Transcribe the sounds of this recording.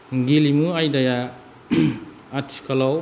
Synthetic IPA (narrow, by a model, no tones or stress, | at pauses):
ɡilimuajdaja | atʰi̥kʰalaw